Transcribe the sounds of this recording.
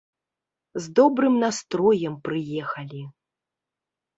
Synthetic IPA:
zd̪ɔbɾɨmnast̪ɾɔjɛmpɾɨjɛxɐlʲi

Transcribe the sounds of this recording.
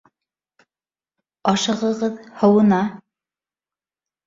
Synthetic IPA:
ɑʃɤ̆ʁɤ̆ʁɤðhɤ̆wɤ̆nɑ

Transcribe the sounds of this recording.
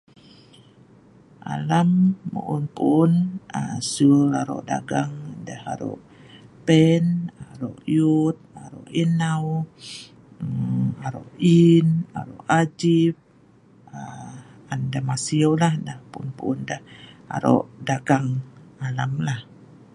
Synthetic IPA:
ʔa̰lamːṵʔunpuːnasulaɾɔ̰ʔda̰ɡaŋdahaɾɔ̰ʔ | pɛnaɾɔ̰ʔjut̪̚aɾɔ̰ʔinaw | aɾoʔina̰ɾɔʔad͡ʒip̚ | aandamasiolahdahpunpuːndaha̰ɾɔ̰ʔdaɡaŋalamlah

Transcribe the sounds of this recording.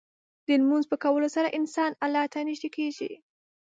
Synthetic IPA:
d̪̥əlmunzpəkawəlosaɾaʔɪnsɑnalɑt̪aniʃikeʒḭ

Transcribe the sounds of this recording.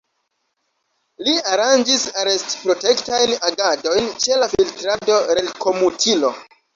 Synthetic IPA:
liaɾand͡ʒisaɾe̞stpɾo̞te̞ktajnaɡado̞jnt͡ʃe̞lafiltɾado̞ɾelkʰo̞mutʰilo̞

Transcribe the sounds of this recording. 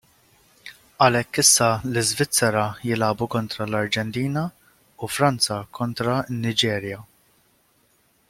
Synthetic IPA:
ɐlɛkːɪsːɐlɪzvɪt͡sːɛɾɐjɪlɐːbukɔnt̪ɾɐlɐɾd͡ʒɛnt̪iːnɐ | ufɾɐnt͡sɐkʰɔnt̪ɾɐɪnːɪd͡ʒɛːɾjɐ

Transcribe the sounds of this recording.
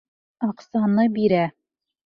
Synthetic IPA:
ɑqsɑnɤbiɾæ

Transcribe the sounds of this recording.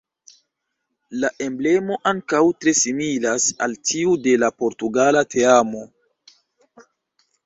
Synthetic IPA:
laʔe̞mble̞mo̞ʔaŋkawtɾe̞similasa̰ltʰiude̞lapo̞ɾtuɡalatʰe̞amo̞

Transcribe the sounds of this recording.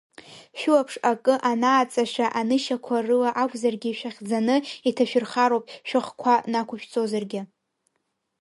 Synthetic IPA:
ʃᶣuapʰʂakʼɨʔanaːt͡sʼaʃaʔanɨʃakʷʰarɨlaʔakʷʰʼzarɡʲɪʃᶣaχʲd͡zanɨitʰaʃᶣɪrχaɾowpʼʃᶣɪχkʷʰanakʷʰʊʃᶣt͡sʼozarɡʲɪ

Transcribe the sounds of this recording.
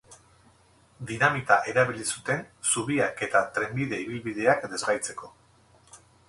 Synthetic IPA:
d̪inamit̪aʔe̞ɾaβilisut̪e̞nsuβiake̞t̪at̪ɾe̞mbiðe̞iβ̞ilβið̞e̞akd̪e̞zɣajt͡se̞ko̞

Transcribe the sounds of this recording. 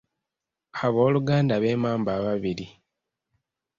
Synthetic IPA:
aβo̞ːluɡaːndaβe̞ːmaːmbaːβaβiɾi

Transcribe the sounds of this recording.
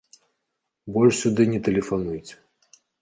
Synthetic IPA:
bɔlʲʂsʲud̪ɨnʲɛt̪ɛlʲɛfanujt͡sʲɛ̥

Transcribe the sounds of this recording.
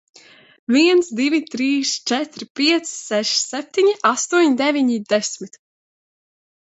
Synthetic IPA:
viɛnsd̪ivʲit̪ɾiːst͡ʃɛt̪ɾpʲiɛt̪ssɛʃsɛp̚ʲt̪iɲiʔast̪uɔɲd̪ɛvʲiɲid̪ɛsʲmit̪

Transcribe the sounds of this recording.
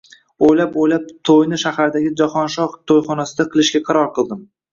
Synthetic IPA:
ojlapojlap̚t̪ʰojnɪʃahaɾd̪aɡʲɪd͡ʒaχɒnʃɒʁt̪ʰojχɒnasɪd̪aqʰɨlˠɪʃɡʲaqʰɑɾɒɾqɨlˠd̪ɪm

